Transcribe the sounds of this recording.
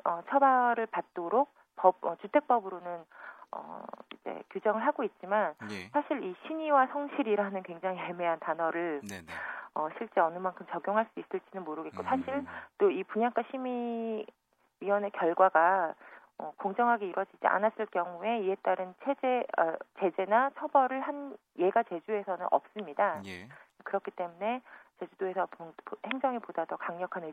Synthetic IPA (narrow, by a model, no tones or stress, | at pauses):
ʌt͡ɕʰʌbaɾɯɭpat̚t͈oɾok̚ | pʌb̚ʌt͡ɕutʰe̞k̚p͈ʌbɯɾonɯnʌ̰id͡ʑḛkjod͡ʑʌŋɯɭɦaɡoit̚t͡ɕ͈imansʰaɕʰiɾiɕʰiɲiwasʰʌŋɕʰiɾiɾanɯnkweŋd͡ʑaŋiɦeme̞ɦantanʌɾɯɭ | ʌɕʰiɭt͡ɕ͈e̞ʌnɯmankʰɯmt͡ɕʌɡjoŋɦaɭs͈uis͈ɯɭt͡ɕ͈inɯnmoɾɯɡe̞t̚k͈osʰaɕʰiɭt͈oipuɲaŋk͈aɕʰimi | ɥiʌnekjʌɭɡwaɡa | ʌkoŋd͡ʑʌŋɦaɡeiɾʌd͡ʑid͡ʑḭa̰nas͈ɯɭkjʌŋue̞ie̞t͈aɾɯnt͡ɕʰed͡ʑeʌ̰t͡ɕe̞d͡ʑe̞nat͡ɕʰʌbʌɾɯɭhan | je̞ɡat͡ɕe̞d͡ʑue̞sʰʌnɯnʔʌ̰p̚s͈ɯmɲida | kɯɾʌkʰit͈e̞mune̞t͡ɕe̞d͡ʑudoe̞sʰʌpophe̞ŋd͡ʑʌŋipodadʌkaŋɲʌkʰane